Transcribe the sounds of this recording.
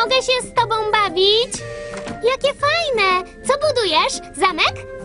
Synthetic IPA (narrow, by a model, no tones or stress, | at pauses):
ɔɡɛɕɛst̪ɔbɔ̃w̃bavʲit͡ɕjakʲɛfajnɛt̪sɔbud̪ujɛʂ | zamɛk